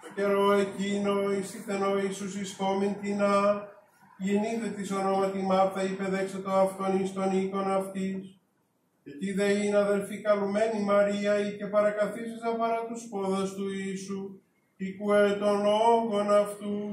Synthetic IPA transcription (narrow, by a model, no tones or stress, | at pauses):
t̪oce̞ɾoecinoist̪iθeno̞isus̬isko̞mint̪inɐ | ʝeniθet̪iso̞no̞mɐt̪imɐɾt̪ɐipeðekset̪oɐft̪onist̪o̞niko̞nɐft̪is | et̪iðeinɐðe̞lfikɐlume̞nimɐɾiɐice̞pɐɾɐkɐθisizɐpɐɾɐt̪uspo̞ðɐst̪uisu | ikuet̪o̞nooŋɡo̞nɐft̪u